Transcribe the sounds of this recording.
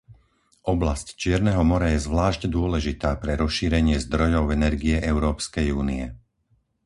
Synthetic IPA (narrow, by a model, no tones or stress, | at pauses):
ʔɔblasct͡ʃɪɛɾnɛːɦɔmɔɾajɛzʋlaːʃɟd̪ʊɔlɛʒit̪aːpɾɛɾɔsʃiːɾɛɲɪɛzd̪ɾɔjɔʊɛnɛɾɡiɛʔɛʊɾɔːpskɛjuːniɛ